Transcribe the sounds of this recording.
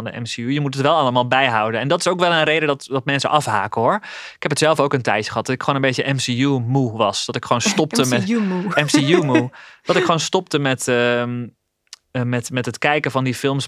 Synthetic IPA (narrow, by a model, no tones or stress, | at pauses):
ndəʔɛ̰msiujəmutətʋɛlˠɑləmaːlˠbɛjɦɑwdənɛndɔtɪsowkʋɛlˠənrejdədɔtdɔt̚mɛnsə̰ʔɑfɦa̰ːkəɦʊɹ | ɪkhɛpətsɛlˠfowkəntɛjəχəɦɑt̚d̥ɔtɪkχoːnənbejtjəʔɛmsijumuʋɑsdɔtɪkχʋoːnstɔp̚təmɛuɛmsijumud̥ɔtɪkχʋoːnstɔp̚təmɛtə | mɛtmɛtɦətkɛjkəfɑndifɪlˠms